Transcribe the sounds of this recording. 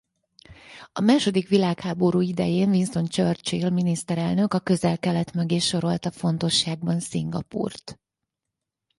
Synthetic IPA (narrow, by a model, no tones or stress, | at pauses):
ɒmaːʃo̞d̪ikʋilaːkhaːbo̞ɾuːid̪ɛ̰jeːnvinso̞nt͡ʃørt͡ʃeːlminist̪ɛɾɛlnø̞kɒkø̞zɛlkɛlɛt̪møɡeːʃo̞ɾo̞lt̪ɒfo̞nt̪o̞ʃːaːɡ̚bɒnsiŋɡɒ̰pṵːrt̪